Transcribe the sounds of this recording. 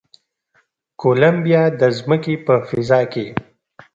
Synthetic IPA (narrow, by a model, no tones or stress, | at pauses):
kolambijɑd̪əzməkepəfɪzɑːke